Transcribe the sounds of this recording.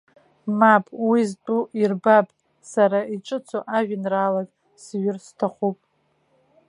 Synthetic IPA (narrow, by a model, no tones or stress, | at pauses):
mapʼwiztʼuʔirbapʼ | saɾaiʈ͡ʂʼɨt͡sʷʰo̰ʔaʒᶣɪnraːlakʼ | sɥɪrstʰaχʷupʼ